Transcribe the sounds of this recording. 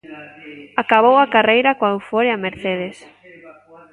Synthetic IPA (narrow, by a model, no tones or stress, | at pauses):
akaβowakarejɾakwawfoɾeameɾθeð̞es